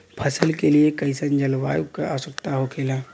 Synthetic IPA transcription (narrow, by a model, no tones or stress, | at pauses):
pʰɐsəlkeliekɐɪsənd͡ʒɐlʋa̰ːjukaasəkt̪aɦokʰeːlaː